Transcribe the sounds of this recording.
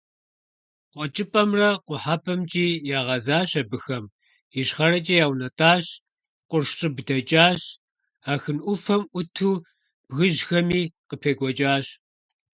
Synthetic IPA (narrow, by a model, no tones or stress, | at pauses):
qʷʼɔt͡ʃʼɪpʼɐmrɐqʷʊħapʰɐmt͡ʃʼiːjaːʁɐzaːɕɐbɨxɐm | ɪɕχɐɾɐt͡ʃʼɐjaːwnɐtʰʼaːɕ | qʷʊrʃt͡ʃʼɨbdɐt͡ʃʼaːɕ | aːxɨnʔʷʊfɐmʔʷʊtʰuː | b̥ɣɨʒxɐmiːqəpʰeːɡʷɔt͡ʃʼaːɕ